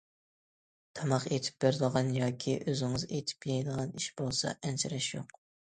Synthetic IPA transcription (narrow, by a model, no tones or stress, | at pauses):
t̪ʰɑmɑqet̪ʰɪ̥p̚beɾɪd̪əʁɑnjɑːkʲʰiʔøzɪŋɨzet̪ʰɪ̥pjɛjd̪əʁɑniʃb̥olˠsɑ̰ʔɛnt͡ʃʰɪɾɛʃjo̰q